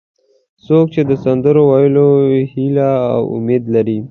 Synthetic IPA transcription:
sok̚t͡ʃed̪əsand̪əɾowajəlohila̰ːwʊ̰med̪laɾi

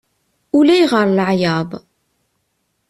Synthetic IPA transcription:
ulæjʁəɾˤləʕjæb

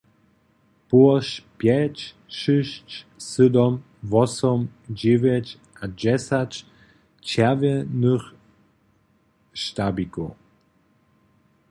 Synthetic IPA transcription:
puɔʃpjɛt͡ɕ | ʃɪɕt͡ɕsɨd̪ɔm | vɔsɔmd͡ʑevʲjɛt͡ɕ | ad͡ʑɛsat͡ɕ | t͡ɕɛvʲjɛnəx | ʃt̪abikɔ̰

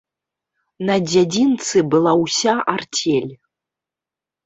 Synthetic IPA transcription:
nɐd͡zʲad͡zʲint̪sɨbɨlˠawsʲaʔartʲʰelʲ

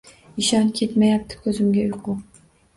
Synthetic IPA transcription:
iʃɒnkʲʰe̞t̪majap̚t̪ʰɪ̥kʲʰɵzɪmɡʲaʊjqʰʊq̚

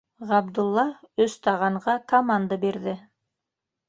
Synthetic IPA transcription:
ʁɑbd̪ulˠːɑɵst̪ɑʁɑɴʁɑkomand̪abeɾðɪ

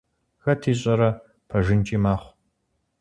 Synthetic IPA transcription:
ɣɐtʰiːɕ̬ʼɐɾɐ | pʰɐʒɪnt͡ʃʼiːmaːχʷ

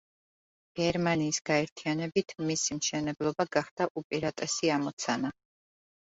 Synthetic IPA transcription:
ɡ̥ɛɾmaniːsɡ̥aɛɾt̪ʰianɛbit̪ʰmisimʃɛnɛblˠɔbaɡaχd̪̥aʔupʼiɾat̪ʼɛsiamɔt̪sʰana

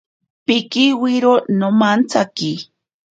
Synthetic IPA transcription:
pɪkiwiɾonomant͡saki

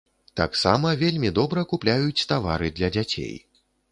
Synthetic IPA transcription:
t̪a̰ksa̰mɐvʲelʲmʲid̪ɔbɾɐkuplʲajut͡sʲt̪avaɾɨd̪lʲɐd͡zʲat͡sʲḛj

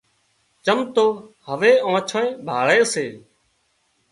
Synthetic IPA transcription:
t͡ʃəmt̪oːhəʋeːãːt͡ʃʰə̃ẽːbʱaːɭeːseː

